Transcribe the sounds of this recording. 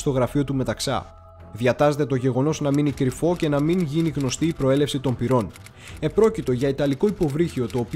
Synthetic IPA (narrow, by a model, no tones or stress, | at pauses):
st̪o̞ɣɾɐfio̞t̪ume̞t̪ɐksɐ̰ | ðjɐt̪ɐzet̪e̞t̪o̞ʝe̞ɣo̞no̞znɐminikɾifo̞ce̞nɐmiŋʝiniɣno̞st̪iːpɾo̞e̞le̞fsit̪o̞mpiɾo̞n | e̞pɾo̞cit̪o̞ʝɐit̪ɐliko̞ipo̞vɾiçio̞t̪o̞ːpi